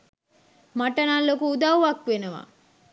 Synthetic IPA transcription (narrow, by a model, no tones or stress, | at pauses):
maʈənalːokuud̪awʋakʋenəʋa̰